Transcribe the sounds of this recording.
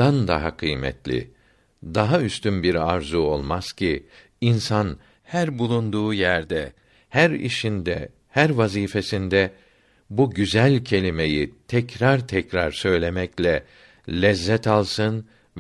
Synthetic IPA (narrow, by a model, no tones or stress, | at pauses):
and̪a̰ɦakʰɯjmɛ̰t̪lʲḭ | d̪aɦayst̪ynbiɾaɾzuo̞̰lˠmaz̥cʰi | insan | hæɾbulˠund̪uːjæɾd̪ɛ | hæɾḭʃind̪ɛ̰ | hæɾvaziːfe̞sind̪ɛ | buɟyzælʲcʰe̞lʲime̞jit̪ʰɛcɾaɾt̪ʰɛcɾaɾsø̞jlʲe̞mɛclʲɛ | lʲɛzːɛt̪alˠsɯn